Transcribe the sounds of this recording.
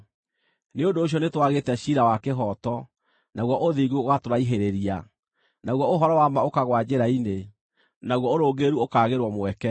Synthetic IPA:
neondoːɕ̬jɔnetwaɣetɛɕiɾawakeɦɔtɔ | naɣwɔʔoðiɣuoɣatoɾaiɦeɾeɾia | naɣwɔoɦɔɾɔwamaokaɣwad͡ʑeɾaine | naɣwɔoɾoːɡeɾuokaːɣeɾwɔmwɛkɛ

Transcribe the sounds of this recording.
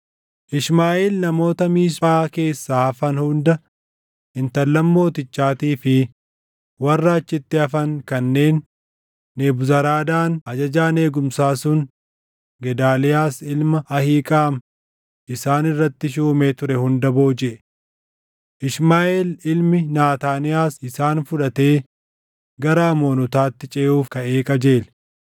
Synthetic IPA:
ʔɪʃmaːʔeːlnɐmo̞ːt̪ɐmiːʃaːke̞ːsːaːɐfɐnhʊnd̪ɐ | ɪnt̪ɐlːɐmːo̞ːt̪ɪt͡ʃːaːt̪iːfɪ | wɐrːaːt͡ʃːɪt̪ːɪɐfɐŋkɐnːe̞ːnː | eːbʊzɐɾaːd̪aːnɐd͡ʒɐd͡ʒaːne̞ːɡʊmsaːsʊn | ɡɛd̪aːlɪjaːsɪlmɐɐhiːkʼaːm | ʔɪsaːnɪrːɐt̪ːɪʃ̬uːme̞ːt̪ʊɾɛhʊnd̪ɐbo̞ːd͡ʒɛʔ | ʔɪʃmaːʔelɪlmɪnaːt̪aːnɪjaːsɪsaːnfʊᶑɐt̪e̞ː | ɡɐɾaːmo̞ːnɔt̪aːt̪ːɪt͡ʃʼɛːʔuːfkɐeːkʼɐd͡ʒeːl

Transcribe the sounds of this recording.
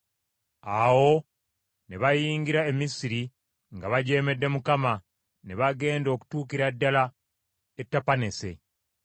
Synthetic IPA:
awo̞ | neβajiːŋɡiɾae̞misiɾi | ŋɡaβaɟe̞ːme̞dːe̞mukama | neβaɡe̞ːndo̞ːku̥tuːkiɾadːala | etːapane̞se̞

